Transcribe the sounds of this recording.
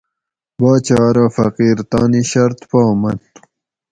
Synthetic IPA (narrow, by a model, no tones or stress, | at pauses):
baːt͡ɕɑːɾaːfɐqiːɾt̪aːniɕɐɾt̪paːmɐnt̪